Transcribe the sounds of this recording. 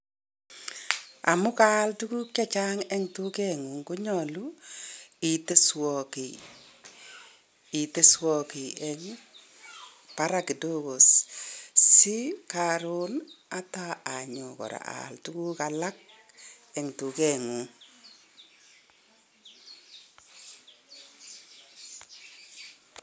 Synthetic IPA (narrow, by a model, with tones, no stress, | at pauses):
a̰˨mʊ˦ka˦ltu˦ku˦kt͡ʃa˦t͡ʃaː˦ŋɛ˦ŋtu˦kɛ˦ŋu˨ŋko˦ɲɔ˨lu˦ | i˨te˦swɔ˨ki˨ | i˨te˦swɔ˨ki˨ɛŋ | pa˦ɾa˨ki˨to˦˨ko˨s | si˦kaɾo˦na˦ta˦a˨ɲo˨kɔ̰˨ɾa̰˨ʔa̰˨ltu˦ku˦kala˦k̚ | ɛ˨ŋtu˨kɛ˦ŋu˨ŋ